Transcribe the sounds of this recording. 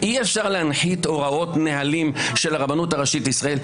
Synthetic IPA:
ʔiefʃaʁlehanħit̪o̞ʁao̞tneɦalimʃe̞laʁabanuthaʁaʃit̪isʁael

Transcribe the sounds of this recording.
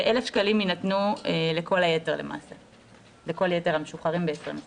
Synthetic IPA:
ʔe̞lefʃkaliminatnueleko̞laje̞teʁle̞̰mʔa̰ːse̞ | leko̞lje̞teʁameʃuχaʁimbeesmas

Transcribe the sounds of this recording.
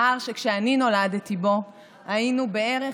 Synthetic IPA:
aʁʃekʃeanino̞ladt̪ibo̞ | ainube̞e̞ʁe

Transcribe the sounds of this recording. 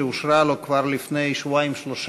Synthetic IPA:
eusɾalokvaɾlifnejswajmslos

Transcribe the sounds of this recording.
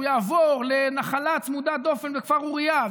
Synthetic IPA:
jaːvoʁlenaχalat͡smud̪ad̪o̞fe̞nvekv̥aʁuʁija

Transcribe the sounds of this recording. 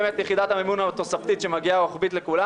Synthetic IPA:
met̪jeχid̪at̪hamemunat̪o̞saft̪it̪ʃemaɡiaoχbit̪le̞kula

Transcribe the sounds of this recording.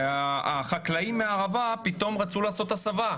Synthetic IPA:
aaχaklaimːeaːʁavapit̪o̞mʁat͡sulaːso̞t̪asava

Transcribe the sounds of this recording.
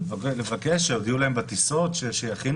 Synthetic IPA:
vlevakeʃʃeod̪iulaembat̪iso̞tʃeʃejaχin

